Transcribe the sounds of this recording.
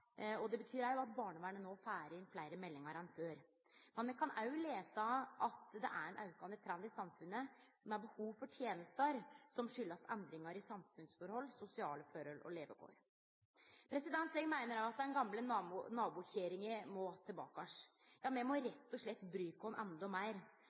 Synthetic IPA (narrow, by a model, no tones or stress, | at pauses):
ɔd̪ɛbət̪ʰyːɾæjʊɑt̪bɑːɳəʋæːɳənoːfæːɾəɪnflæɪɾəmɛlːɪŋɑɾɛnføːɾ | mɛnmɛkʰɑnɑʉleːsəʔɑt̪d̪ɛʔæɾæɪnʔɑ̰ʉt̪̚ɡɑnɪt̪ʰɾɛnd̪ɪsɑmfʉnːəsɔmæɾbəhuːʋfɔʈʰjeːnəst̪əɾsɔmʂʏlːɑst̪ɛnd̪ɾɪŋɑɾɪsɑmfʉnsfɔɾhɔlːsʊsɪɑːləføːɾɔlɔ̰leːʋəɡo̰ːɾ | pʰɾɛsɪd̪ɛnt̪ɾɛɡmæɪnəɾæɑt̪̚d̪ɛnɡɑmːləɑnɑːbuçeːɾɪŋəmɔt̪ʰɪlbɑ̰ːkɑʂjɑːmɛmɔɾɛt̪ːɔʂɭɛt̪ːbɾyːkɔmʔɛ̰nd̪əɔmæɪɾ